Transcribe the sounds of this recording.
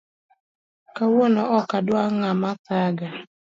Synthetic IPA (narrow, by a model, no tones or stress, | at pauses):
kawonɔʔɔkadwaŋamasaɡa